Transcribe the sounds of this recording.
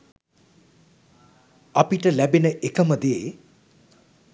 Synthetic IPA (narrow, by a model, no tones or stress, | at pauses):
apiʈəlæbenəʔekəməd̪e